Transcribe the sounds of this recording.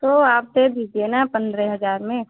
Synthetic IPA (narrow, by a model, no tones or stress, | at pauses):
t̪oaːp̚d̪ebʱid͡ʒenapə̃nd̪ɾɛɦɐzaːɾmẽ